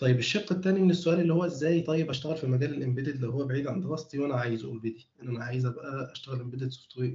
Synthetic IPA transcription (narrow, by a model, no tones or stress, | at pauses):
t̪ˤɑjebeʃːɑqːet̪ːæːniʔenːesːoʔæːlelːihowːæʔezːæːjt̪ˤɑjːebæʃt̪æɣælfimæɡæːlelʔembed̪ed̪læwhowːæbeʕiːd̪ʕand̪elɑsˤt̪ˤiwʔænæʕaːjezʔṵlbed̪iʔenʔænæʕaːjezæbæʔæʔæʃt̪æɣælʔembed̪et̪so̥ft̪ʰˤwi